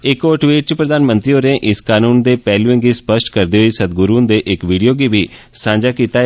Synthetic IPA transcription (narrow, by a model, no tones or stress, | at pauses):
ɪkoːʈʋiːʈ̚t͡ʃəpɾəd̪aːnmə̃nt̪ɾioːneːʔɪskaːnuːnd̪eːpɛːluẽŋɡiːspəʃʈkəɾd̪eːɦoiːsəd̪ɡʊɾuːnd̪eːʔɪkʋiːɖijoːɡiːbiːsãːɲd͡ʒaːkiːt̪aː